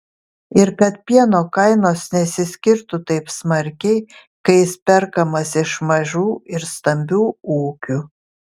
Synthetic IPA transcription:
ɪɾkɐt̪̚pʲiɛnoːkɐɪnoːsnʲɛsʲɪsʲkʲɪɾt̪ʊt̪ɐɪpsmɐɾʲkʲɛɪ | kɐɪsʲpʲɛɾkɐmɐsɪʃmɐʒʲuːɪɾst̪ɐmʲbʲuːuːkʲu

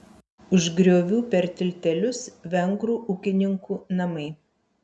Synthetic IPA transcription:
ʊʒɡɾʲoːʋʲuːpʲɛɾt̪ʲɪlʲt̪ʲɛlʲʊsʋʲɛŋɡɾuːʔʊkʲɪnʲɪŋkuːnɐmɐɪ

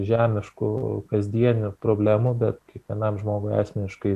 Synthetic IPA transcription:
ʒʲæːmʲɪʃkʊkɐzʲd̪ʲiɛnʲʊpɾoːbʲlʲæːmʊbʲɛt̪kʲiɛkʋʲiɛnɐmʒmoːɡʊæːsʲmʲɛnʲɪʃkɐɪ

